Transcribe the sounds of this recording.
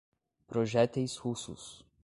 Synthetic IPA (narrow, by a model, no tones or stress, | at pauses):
pɾɔʒɛt̪ʲɛjshusṵs